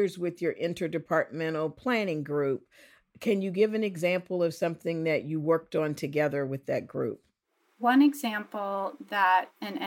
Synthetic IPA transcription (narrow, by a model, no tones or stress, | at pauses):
zwɪðjə˞ʔɪ̃ntə˞dɨpʰɑɹt̚mɛ̃ɾ̃l̩ˠpʰl̥æ̃ñɪ̃ŋɡɹʉp̚ | kʰɨ̃njɨɡɪvɨ̃nɨɡzæ̃mpl̩ˠʌv̥sʌ̃mθɪ̃ŋðɨt͡ʃɨwɜ˞k̚tn̩tʰɨɡɛðə˞wɨðɨt̚ɡ̥ɹʉ̰p̚ | wʌ̃nɨɡzæ̃mpl̩ˠðəɾɨ̃n